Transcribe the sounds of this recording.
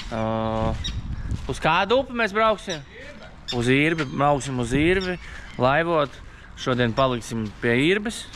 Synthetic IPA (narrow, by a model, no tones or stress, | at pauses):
uskaːd̪uːpmesbɾawksim | uziːɾbiɾawksimuziːɾbilˠajʋuɔt̪ | ʃuɔd̪iɛnpalˠiksimpiɛiːɾbɨs